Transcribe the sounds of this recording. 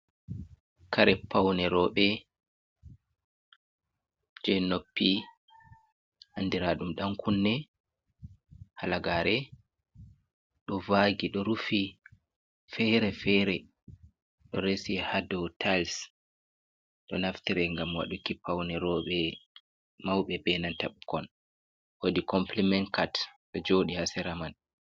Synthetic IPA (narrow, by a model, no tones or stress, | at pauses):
kaɾɛpʰːawnɛɾɔːɓɛ | d͡ʒɛnopːi | handiɾaɗumɗamkunːɛ | halaɡaːɾɛ | ɗɔvaːɡiɗɔɾufi | fɛɾɛfɛɾɛ | ɗɔɾesihadɔtʰals | ɗɔnaftiɾɛŋɡamwa̰ɗukipːawnɛɾɔɓɛ | mawɓɛbɛnantaɓukɔn | wodikɔmplimɛnkatɗɔd͡ʒoɗihasɛɾaman